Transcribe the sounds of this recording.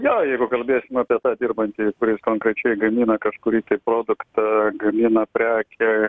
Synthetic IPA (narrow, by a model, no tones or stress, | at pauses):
joːjɛɪɡʊkɐlʲbʲeːsʲɪmɐːpʲiɛt̪ɑːd̪ʲiːrbɐnʲt̪ʲikʊɾʲɪskoːŋkɾʲɛt͡ʃʲɛɪɡɐmʲiːnɐkɐʃkʊɾʲiːt̪ɐɪpɾoːd̪ʊkt̪ɐɡɐmʲiːnɐpʲɾʲæːkʲɛ